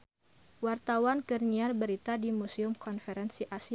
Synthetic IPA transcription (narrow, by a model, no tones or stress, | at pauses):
wart̪awankərɲiarbəɾit̪adimusiʊmkɔnfɛɾɛnsiʔasi